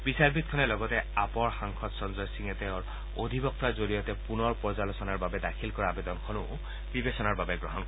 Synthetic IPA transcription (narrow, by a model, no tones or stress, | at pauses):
bisaɹbit̪̚kʰɔnɛlɔɡɔtɛapɔɹxaŋkʰɔtsɔnzɔjsiŋɛtɛɔɹ | od̪ʱibɔk̚t̪azoɹijɔtɛpunɔɹpɹɔzalɔsɔnaɹbabɛdakʰilkɔɹaːbed̪ɔnkʰɔnʊ | b̥ibesɔnaɹbabɛɡɹɔɦɔnkɔ